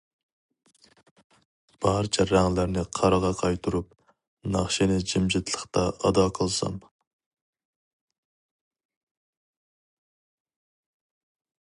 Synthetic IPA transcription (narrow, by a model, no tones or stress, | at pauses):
b̥ɑɾt͡ʃʰɛɾæŋlæɾnɪqʰɑɾəʁɑqʰɑjt̪ʰuɾup̚ | nɑχʃinɪd͡ʒimd͡ʒɪt̪ʰlˠəχt̪ɑʔɑd̪ɑqʰəlˠsɑ̰m